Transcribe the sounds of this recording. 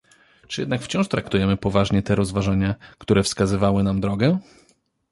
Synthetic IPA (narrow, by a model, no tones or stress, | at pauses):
t͡ʂɨjɛd̪nakft͡ɕɔ̃ʂt̪ɾakt̪ujɛmɘpɔvaʐɲɛt̪ɛɾɔzvaʐaɲakt̪uɾɛfskazɘvawɘnamd̪ɾɔɡɛ